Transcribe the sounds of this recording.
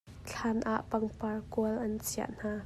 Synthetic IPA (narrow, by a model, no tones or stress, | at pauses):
t͡ɬʰaːnʔa̰ʔpɐŋparkuəlʔɐnt͡sʰia̰ʔn̥aː